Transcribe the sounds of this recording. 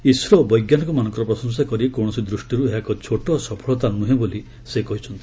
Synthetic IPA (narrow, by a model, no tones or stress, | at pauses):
isɾɔbɔjɡjanɔŋkumanɔ̃ŋkɔɾɔpɾɔsɔns̬akɔɾikõɔsid̪ɾusʈiɾuɦeakɔt͡ʃʰoʈɔsɔpʰɔɭɔt̪anːuɦeboli | sekɔɦit͡ʃʰɔnt̪i̥